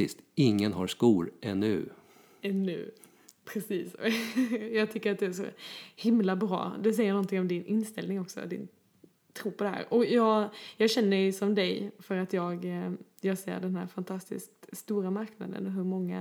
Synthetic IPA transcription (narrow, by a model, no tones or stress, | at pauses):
ɪ̰st̪ɪŋːənɦaɾskuːɾɛnːʉ̰ː | ɛnːʉ̰ː | pʰɾɛsiːsɔ̰jɑːɡ̚t̪ʰʏkːəɾat̪̚d̪ɛæʂɔ̰hɪmlabɾɑ̰ːd̪ɛs̬ɛjːəɾnɔnt̪ʰɪŋɔmd̪ɪnʔɪnst̪ɛlnɪŋɔksɔ̰d̪ɪ̰n | t̪ʰɾuːpʰɔd̪ɛɦæ̰ːɾʔɔjɑːɡjɑːɡɕɛnːəɾɛjsɔmd̪ɛjfœɾat̪jɑːɡ | jɑːɡsḛːɾɖɛnɦæ̰ɾfant̪ʰast̪ɪ̰skt̪st̪uːɾamaɾkna̰d̪ə̰nɔɦɵɾmɔŋːa̰